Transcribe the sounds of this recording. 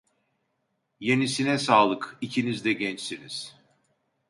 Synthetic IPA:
je̞nisinɛsaːlˠɯkicʰinizd̪ɛɟɛnt͡ʃsiniz̥

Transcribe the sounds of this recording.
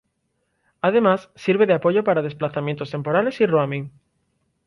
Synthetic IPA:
að̞e̞masːiɾβeðeapoʝopaɾað̞e̞splaθamjẽnt̪o̞st̪e̞mpo̞ɾale̞siroamĩŋ

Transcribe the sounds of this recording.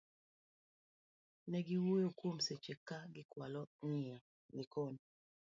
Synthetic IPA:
nɛɡiwojokwomset͡ʃekaɡɪkwalɔŋɪa | nikon

